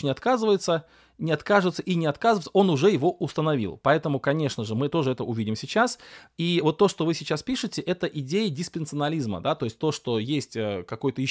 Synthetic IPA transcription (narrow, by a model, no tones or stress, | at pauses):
nʲɪɐt̪kazɨvəjɪt̪sə | nʲɪɐt̪kaʐɨt̪səʔinʲɪɐt̪kazɨvəɪsəo̞nʊʐɛjɪvo̞ʔʊst̪ənɐvʲḭlˠpɐɛt̪əmʊkɐnʲe̞ʂnəʐɨmɨt̪o̞ʐɨɛt̪əʊvʲidʲɪmsʲɪt͡ɕasivo̞t̪ːo̞ʂt̪o̞vɨsʲɪt͡ɕaspʲiʂɨtʲɪʔɛt̪əʔɪdʲejədʲɪspʲɪnt̪sɨənɐlʲizmə̰d̪at̪o̞ɪsʲt̚ʲt̪o̞ʂt̪o̞jesʲtʲəkɐko̞jt̪əjɪ